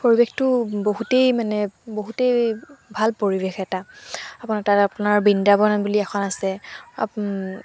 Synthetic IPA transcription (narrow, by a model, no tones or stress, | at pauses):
poɹibextʊboɦutejmanɛboɦutejbʱalpoɹibexɛtaapʊnatatapʊnaɹbindabɔnɔnbuliɛkʰɔnasɛa̰